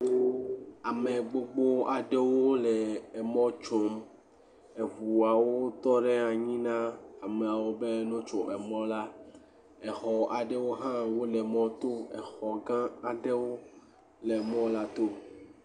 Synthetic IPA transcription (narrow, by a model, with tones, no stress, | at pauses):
a˨me˨ɡ͡bo˦ɡ͡bo˦a˨ɖe˦wo˦lɛ˨ɛ˨mɔ̃˦t͡ʃo˨˦m | e˨vu˨a˨wo˦t̪ɔ˦ɖɛ˦a˨ɲĩ˦nã˦a˨me˨a˨wo˦be˦nɔ̃˦t͡ʃɔ˨ʔɛ˨mɔ̃˦la˦ | ɛ˨xɔ˨a˨ɖe˦wo˦ɦã˦wo˦lɛ˨mɔ̃˦t̪o˦ɛ˨xɔ˨ɡã˦a˨ɖe˦wo˦ | le˨mɔ̃˦la˦t̪o˦